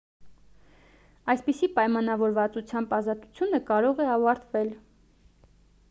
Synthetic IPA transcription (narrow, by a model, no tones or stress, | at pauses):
ɑjspisipɑjmɑnɑvɔɾvɑt͡sut͡sʰjɑmbɑzɑt̪u̥t͡sʰjunəkɑɾɔʁɛɑvɑɾt̪vɛl